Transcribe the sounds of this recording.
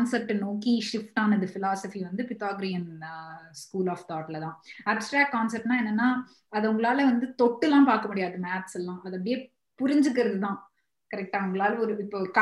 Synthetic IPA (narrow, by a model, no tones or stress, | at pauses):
nsɛp̚ʈnoːkiʂɪfʈaːnɐðɯfɪlaːsɐfiʋɐnd̪ɯpɪt̪aːɡɾɪjɐnskuːlaːft̪aːʈlɐt̪ãːɐbsʈɾaːk̚kaːnsɛpʈnãːɛnːɐnːaː | ɐðɐʊŋɡɐɭaːlɐʋɐnd̪ɯt̪ɔʈːɛlːãːpaːɾkɐmʊɽɪjaːðɯmaːʈsɛlːãːʔɐðɐpːɽɪjeː | pʊɾɪɲd͡ʒɯk̬ːɪɾɐðɯt̪ãː | kɐɾɛk̚ʈaːʊŋɡɐɭaːlɐɔɾɯɪpːoːkɐ